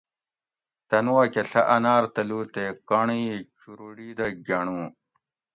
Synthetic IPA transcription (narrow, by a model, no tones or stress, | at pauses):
t̪ɐnuwɐkeɬɐʔɐnaːɾt̪ɐluːt̪ekaɳit͡ɕuɾuɽiːd̪ɐɡɐɳũː